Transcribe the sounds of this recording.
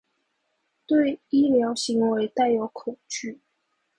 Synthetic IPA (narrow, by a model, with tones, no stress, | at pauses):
t̪we˥˨ɪi˥ljɑ˧˥ʊɕi˧˥ŋwe˧˥ɪt̪a˥˩ɪjo˧˥ʊkʰo˨˩ʊt͡ɕy˥˩